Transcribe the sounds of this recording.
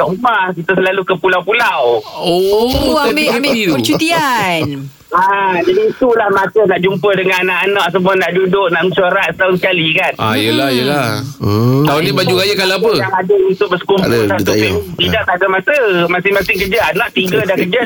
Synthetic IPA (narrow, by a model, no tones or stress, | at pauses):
t̪aʔumahkit̪əsəlalukəpulawpulawoabeb̪t͡ʃut̪ian | ad͡ʒadiːt̪ulahmat̪ənaʔd͡ʒumpədəŋananaʔanaʔs̬əmuanaʔdudʊk̚naʔmət͡ʃoɾat̪̚t̪aʊns̬əkalikana̰jəlajəlah | t̪aunnibad͡ʒuɡajakalaap̬əaŋadəunt̪ʊʔ̚bəsə̥kumʊauit̪idaʔt̪aɡamasəmasɪŋmasɪŋkərd͡ʒaanaʔt̪iɡədahkəd͡ʒa